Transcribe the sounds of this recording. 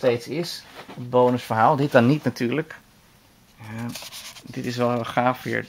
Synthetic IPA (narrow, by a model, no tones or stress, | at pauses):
tejtsɪsəd̚bownəsfəɹɦaːlˠdɪt̚dɑnːitnatyːɹlək | a | dɪtɪsʋɛlˠɦeːlˠχaːfʋɪ̰ːɹ